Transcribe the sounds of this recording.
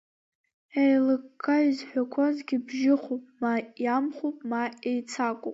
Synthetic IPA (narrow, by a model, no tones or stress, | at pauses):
ejlɨkːaɥizħʷᶣakʷʰazɡʲibʒɪχopʼmajamχopʼmaʔejt͡sʰakʷʼo̰pʼ